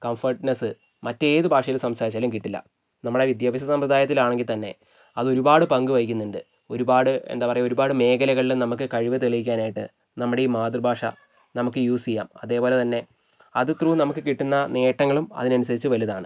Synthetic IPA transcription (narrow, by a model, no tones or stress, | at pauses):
kɐmfɐrʈnɐsɨ | mɐtːe̞ːðɨbʱaːʂɐjilsɐmsaːɾit͡ɕːaːlumk̬iʈːilːɐ̰ | nɐmːuɽe̞ʋid̪jaːbɐɕɐsɐmpɾɐd̪ʱaːjɐt̪ːilaːɳeŋɡilt̪ɐnːe̞̰ | ɐðo̞ɾubaːɽɨpɐŋɡɨʋɐjikʲːunːiɳɖɨ | o̞ɾubaːɽɨḛnd̪aːpɐrɐjuo̞ɾubaːɽɨme̞ːkɐlɐɣɐɭilumnɐmuk̬ːɨkɐɻiʋɨt̪eɭijikʲːaːnaːjiʈːɨ̰ | nɐmːuɽe̞iːmaːd̪rɨbʱaːʂɐ̰ | nɐmukːɨjuːsijːa̰ːmɐðe̞ːpo̞ːle̞t̪ɐnːe̞ | ɐðɨt̪ruːnɐmukːɨkiʈːunːɐneːʈːɐŋːɐɭumɐ̰ðinɐnusɐðit͡ɕːɨʋɐljiɐðaːɳɨ̰